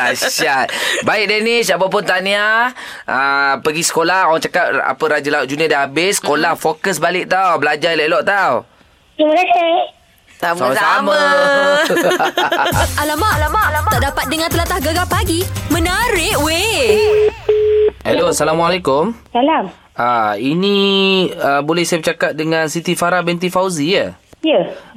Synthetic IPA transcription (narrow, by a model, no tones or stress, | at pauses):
aʃʃat̪̚baɪk̚denɪsap̬awp̬ʊnt̪ania | ʔəpəɡisə̥kolahowaŋt͡ʃakat̚a̰pəɾad͡ʒəlaut̪ʔ̚d͡ʒuniadaɦabɪskolahfokəs̬balɪʔ̚t̪awbəlad͡ʒalɛʔlɔʔt̪aw | kiməkasa | tasamasama | alamalaat̪aʔdapat̪̚dəŋãnt̪əlat̪ahɡaɡapaɡimə̃naɾɪʔwe | hɛloasalamwalekʊmsalam | ainĩ | əbolɛhsajabət͡ʃakat̪̚dəŋãnsit̪ifaɾabɛnt̪̬ifawzijəjə